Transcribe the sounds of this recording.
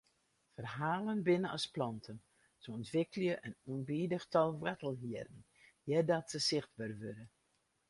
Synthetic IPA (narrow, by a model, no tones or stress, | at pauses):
fərɦaːlənbɪnəɔ̰splɑntʰən | səɔntʋɪkəljəʔənunbidəxtʰɔlˠʋɛtəlˠɦiədən̩ | jɛdɔtsəsɪxtʋørəʋøɾə